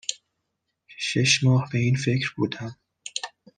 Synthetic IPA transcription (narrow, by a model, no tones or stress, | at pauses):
ʃeʃmɒːhbe̞iːnfe̞cʰɾbuːd̪æm